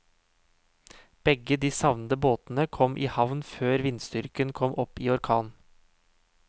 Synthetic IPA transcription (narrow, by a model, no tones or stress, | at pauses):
b̥ɛɡəd̪iːsɑʋnəd̪əboːt̪n̩əkʰɔmʔiːhɑʋnføːɾʋɪnst̪ʏɾkənkʰɔmʔɔpiːɔɾkʰɑːn